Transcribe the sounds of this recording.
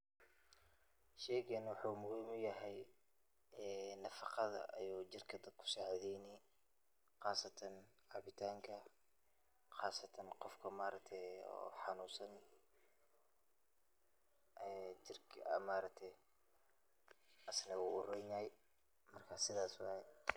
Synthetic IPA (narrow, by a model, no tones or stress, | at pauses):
ʃɛːɣɐnwʊħuːmʊɣiːmʊjɐɦɛj | ɛːnɐfɑqɑðɐ̰ʔɐ̰juːd͡ʒɪrkʰɐd̪ɐkʰʊ̥saːʕðɛjnɪ | qɑːsɐt̪ʰɐnʕaβɪt̪ʰaːŋkʰɐ | xɑaːsɐt̪ʰɐnqɔfkʰɐmaːɾɐk̚t̪ʰɛjɔ̰ːħɑnuːsɐn | ʔɛːt͡ʃɪrkʰɐ̰maːɾɐk̚t̪ʰɛj | ʔɐsnɐuʊrɛnaːj | mɐrkʰasɪðaːswɑjɛ